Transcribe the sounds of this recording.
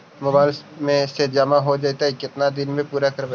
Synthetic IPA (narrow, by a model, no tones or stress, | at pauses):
moːbaːɪlmẽsed͡ʒɐmaɦod͡ʒajt̪aɦikɪt̪nad̪ɪnmẽpuːɾakɐɾbe